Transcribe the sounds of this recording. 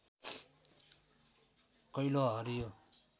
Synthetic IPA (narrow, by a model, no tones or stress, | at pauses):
kʌjloɦʌɾijo